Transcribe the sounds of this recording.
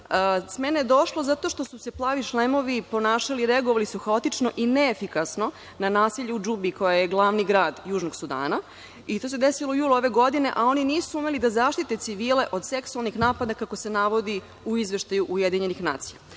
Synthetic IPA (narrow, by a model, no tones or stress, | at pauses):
əsmenejed̪o̞ʃlo̞zat̪o̞ʃt̪o̞suse̞plˠaːʋiʃlemo̞ʋipo̞naːʃaliɾeaɡoʋalisuxaot̪it͡ʃno̞ʔineːfikasno̞ | nanaːsiʎeud͡ʒubiko̞jajeɡlˠaːʋniɡɾaːd̪juːʒnoɡsud̪a̰ːna | it̪o̞sed̪esiloujuːluo̞ʋe̞ɡo̞d̪ine̞̰ʔao̞niniːsuume̞lid̪azaːʃt̪it̪e̞t̪siʋiːle̞ʔo̞d̪seksualˠnixnaːpad̪akako̞se̞naʋo̞d̪i | uizʋe̞ʃt̪ajuʔuje̞d̪iɲe̞nixnaːt̪sija